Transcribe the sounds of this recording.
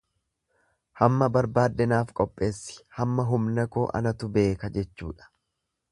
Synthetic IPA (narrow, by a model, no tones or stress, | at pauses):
hɐmːɐbɐɾbaːd̪ːɛnaːfkʼɔpʼːe̞ːsːɪ̥hɐmːɐɦʊmnɐkoːʔɐ̰nɐt̪ʊbe̞ːkɐd͡ʒɛt͡ʃːṵːᶑɐ̥